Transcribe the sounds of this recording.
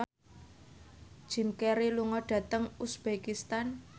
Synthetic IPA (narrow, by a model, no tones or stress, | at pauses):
d̥ʒ̥i̤mkeɾiluŋɔɖ̥ä̤t̪əŋusb̥ekist̪an